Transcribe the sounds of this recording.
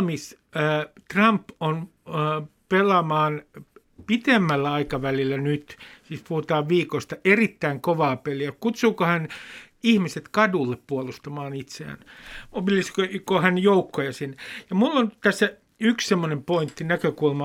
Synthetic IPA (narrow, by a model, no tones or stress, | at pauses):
misː | t̪rɑmpon | pelɑmɑːn | pit̪emːælːæɑikɑʋælilːænyt̪siːspuhut̪ɑːʋʋiːkoist̪ɑerit̪ːæiŋkoʋɑːpeliækut̪suːkohæn | ihmiset̪kɑdulːeppuolust̪ɑmɑːnit̪seæ̰nopilːiskokohænjoukːojɑsinːejɑmulːont̪æsːæ | ykssemːonempoint̪ːinækøkulmɑ